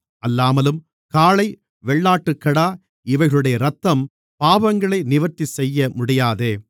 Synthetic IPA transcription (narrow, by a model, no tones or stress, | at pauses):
ʔɐlːaːmɐlɯm | kaːɭɐɪ | ʋɛɭːaːʈːɯkːɐɽaː | ɪʋɐɪɣɐɭɯɽɐjɐɾɐt̪ːɐm | paːbɐŋɡɐɭɐɪnɪʋɐɾt̪ːisɛjːɐmʊɽɪjaːðeː